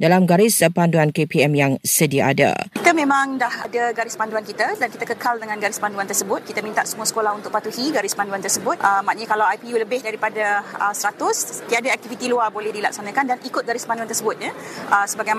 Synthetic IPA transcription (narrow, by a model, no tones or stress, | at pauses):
dalamɡaɾɪspanduankepiɛmjaŋsədiaʔada̰kit̪əmẽmãŋdahadaɡaɾɪspanduankit̪ədankit̪əkəkaldəŋãnɡaɾɪspanduant̪ərsəbʊt̪̚kit̪əmint̪a̰ʔsəmuəsə̥kolahunt̪ʊk̚pat̪uhiɡaɾɪspanduant̪ərsəbʊt̪̚ʔəmaʔ̚ɲəkalawajpijuləbɪhdaɾipadaəsɾat̪ʊst̪iadaɛk̚t̪ifit̪iluarbolɛhdilak̚sanãkandanʔikʊt̪̚ɡaɾɪspanduant̪ərsəbʊt̪̚ɲəʔəsəbaɡajm